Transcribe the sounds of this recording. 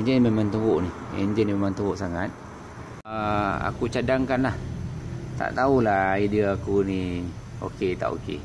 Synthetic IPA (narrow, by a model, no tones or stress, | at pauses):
eɲd͡ʒənmemant̪uwʊʔniɛ̰nd͡ʒənimemant̪uwʊʔsaŋat̪̚ | əa̰kut͡ʃadaŋkanlah | t̪a̰ʔt̪aulahidəakuni | o̰ket̪a̰ʔo̰kḛ